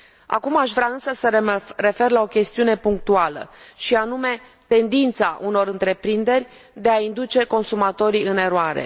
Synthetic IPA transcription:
a̰kumaʃvɾʲaɨnsəsəre̞fe̞rlao̞kʲe̞st̪iune̞puŋk̚t̪ualə̰ʃianume̞ | t̪e̞nd̪int̪saʔuno̞ɾɨnt̪ɾe̞pɾind̪e̞rʲ | d̪e̞aind̪ut͡ʃe̞ko̞nsumat̪o̞ɾiɨne̞ɾoaɾḛ

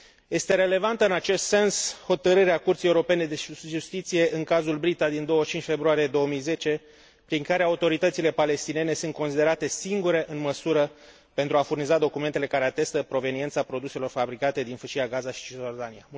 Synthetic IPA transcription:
je̞st̪e̞ɾe̞le̞vant̪əɨnat͡ʃe̞st̪se̞nsho̞t̪əɾɨɾeakurt̪sijeuɾo̞pe̞ne̞d̪eʒust̪it̪sije̞ʔɨŋkazulbɾit̪ad̪ind̪o̞wət͡ʃint͡ʃʲfe̞bɾuaɾije̞d̪o̞əmijze̞t͡ʃe̞ | pɾiŋkaɾe̞aut̪o̞ɾit̪ət̪sile̞pale̞st̪ine̞ne̞sunt̪̚ko̞nsid̪e̞ɾat̪e̞siŋɡuɾe̞ʔɨnməsuɾə | pe̞nt̪ɾuafurnizad̪o̞kume̞nt̪ele̞kaɾe̞at̪e̞st̪əpɾo̞ve̞nient̪sapɾo̞d̪use̞lo̞rfabɾikat̪e̞d̪infəʃiaɡazaʃi̥t͡ʃiord̪ania

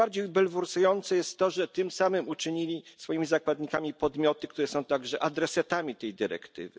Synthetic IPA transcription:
aɾd͡ʑejbɛlvuɾsujɔnt̪sɛjɛst̪ːɔʐɛt̪ɘmsamɘmut͡ʂɘɲilʲisfɔjimʲizakwad̪ɲikamʲipɔd̪mʲjɔt̪ɘkt̪uɾɛsɔ̃w̃t̪aɡʐɛʔad̪ɾɛsat̪amʲit̪ɛjd̪ɘɾɛ̰kt̪ɘ̰vɘ̰

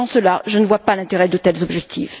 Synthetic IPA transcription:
ɑ̃səlaʒənəvwapalɛ̃t̪eʁɛd̪ot̪ɛlzɔbʒɛk̚t̪ʰif

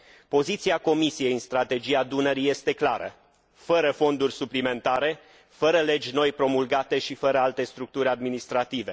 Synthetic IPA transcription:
po̞zit̪siako̞misije̞jɨnst̪ɾat̪e̞d͡ʒiad̪unəɾije̞st̪e̞klaɾə̰ | fəɾəfo̞nd̪urʲsuplime̞nt̪aɾe̞ | fəɾəle̞d͡ʒʲno̞jpɾo̞mulɡat̪e̞ʃifəɾəalt̪e̞st̪ɾuk̚t̪uɾʲad̪minist̪ɾat̪ive̞

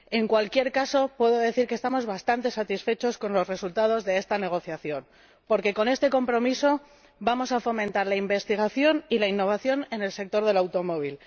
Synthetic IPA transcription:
e̞ŋkwalkje̞ɾkaso̞pwe̞ðo̞ðe̞θiɾkest̪amo̞zβast̪ant̪e̞sat̪isfe̞t͡ʃo̞sko̞nlo̞sre̞sult̪að̞o̞zðe̞e̞st̪ane̞ɣ̞o̞θjaθjo̞n | po̞ɾke̞ko̞ne̞st̪e̞ko̞mpɾo̞miso̞ | bamo̞safo̞mẽnt̪aɾlaimbe̞st̪iɣ̞aθjo̞nilainːo̞β̞aθjo̞ne̞ne̞lse̞k̚t̪o̞ɾð̞e̞lawt̪o̞mo̞β̞il

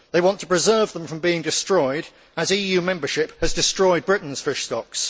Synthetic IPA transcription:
ðeɪwɒ̃ntʰəpɹ̥ɪzɜːvðə̃ɱfɹə̃mbiɪ̃ŋdɪstɹ̥ɔɪɾ | əziːjʉːmɛ̃mbəʃɪphəzdɪstɹ̥ɔɪd̚bɹɪʔn̩z̥fɪʃstɒks

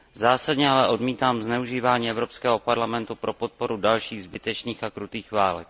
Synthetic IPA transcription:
zaːsadɲɛalɛʔo̞dmiːt̪aːmznɛuʒiːvaːɲiːɛvɾo̞pskɛːɦopaɾlamɛnt̪upɾʔo̞pot̪̚po̞ɾudalʃiːɣzbɪt̪ɛt͡ʃniːxakɾut̪iːxvaːlɛ̰k

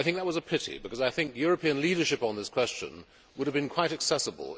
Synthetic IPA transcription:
ɪθɪ̃ŋk̚ðət̚wʌzəpʰɪɾḭbɨkʌzaɪθɪ̃ŋkjʊɹɨpʰĩɨ̃nliɾə˞ʃɨpn̩ðɪskʰw̥ɛst͡ʃɨ̰̃n | wʊɾɨvbɨ̃nkʰw̥aɪɾɨksɛsəbə̰lˠ

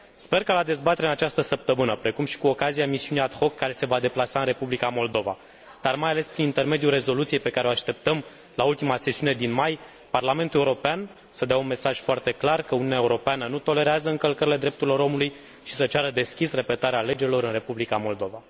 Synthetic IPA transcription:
spe̞rkalad̪e̞zbat̪e̞ɾeaɨnat͡ʃast̪əsəp̚t̪əmɨnəpɾe̞kumʃi̥kuokazijamisiuneat̪xo̞kːaɾese̞vad̪e̞plasaɨnre̞publikamo̞ld̪o̞va̰ | d̪̥armajale̞spɾinint̪e̞rme̞d̪jure̞zo̞lut̪siejpe̞kaɾeo̞aʃt̪e̞p̚t̪əm | lault̪imase̞siune̞d̪inmaj | parlame̞nt̪uleuɾo̞pean | səd̪eaunme̞saʒ̥foart̪e̞klarkəuniuneaeuɾo̞peanənut̪o̞le̞ɾeazəɨŋkəlkəɾile̞d̪ɾe̞p̚t̪uɾilo̞ɾo̞muluj | ʃisət͡ʃaɾəd̪e̞skʲisre̞pe̞t̪aɾeale̞d͡ʒelo̞ɾɨnre̞publikamo̞ld̪o̞va

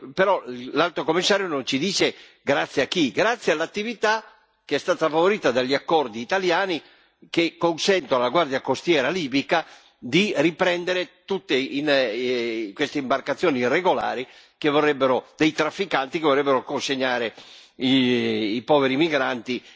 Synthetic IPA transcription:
peɾɔlalt̪ɾokomːisːaːɾjonont͡ʃid̪iːt͡ʃe | ɡɾat̪sːjeakːiɡɾat̪sːjalːat̪ːivit̪a | keɛst̪aːt̪afavoɾiːt̪ad̪aʎːiakːɔrd̪iːt̪aljaːni | kekːonsɛnt̪oalaɡward̪jakost̪jɛːɾaliːbika | d̪iripɾɛnd̪eɾet̪ut̪ːein | kwest̪eimbarkat̪sːjoːnirːeɡola̰ːɾi | kevːorːɛbːeɾod̪ejt̪ɾafːikant̪ikevorːɛbːeɾokonseɲːaːɾeiipɔːveɾimiɡɾant̪i

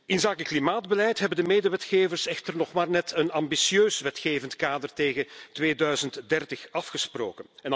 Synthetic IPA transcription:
ɪnzaːkəklimaːdbəlɛjtɦɛbəndəmeːdəʋɛtxeːvərsɛxtərnɔχmaːrnɛtʰənɑmbisjøːsʋɛtxeːvəntkaːdərteːɣətʋeːdœɥzəntdɛrtəxɑfxəspro̰ːkənɛn

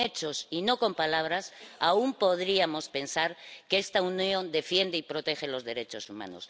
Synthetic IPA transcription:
et͡ʃo̞sino̞ko̞mpalaβ̞ɾasaumpo̞ð̞ɾiamo̞spe̞nsaɾkeest̪aunjõ̞nd̪e̞fje̞nd̪eipɾo̞t̪e̞xe̞lo̞zðe̞ɾe̞t͡ʃo̞suma̰no̰s

